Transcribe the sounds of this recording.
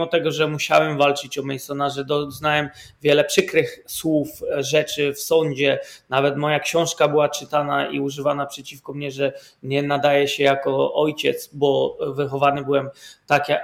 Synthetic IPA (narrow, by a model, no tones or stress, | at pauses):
ɔt̪ɛɡɔʐɛmuɕa̰wɛmvalt͡ʂɘt͡ɕɔmʲɛjsɔnaʐɛd̪ɔznawɛmvʲjɛlɛpʂɘkɾɘxswufʐɛt͡ʂɘfsɔɲd͡ʑɛnavɛt̪mɔjakɕɔ̃w̃ʂkabɘwat͡ʂɘt̪ana̰ḭuʐɘvanapʂɛt͡ɕifkɔmɲɛʐɛ | ɲɛnad̪ajɛɕɛjakɔɔjt͡ɕɛ̰t̪sbɔvɘxɔvanɘbɘwɛmt̪akja